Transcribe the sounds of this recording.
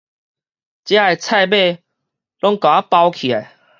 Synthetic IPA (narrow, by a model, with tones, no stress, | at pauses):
t͡ɕja˦e˨t͡sʰa˥˧jbe˥˧˨ | lɔ˦ŋkã˨a˦pa˧wkʰi˨a˨˩j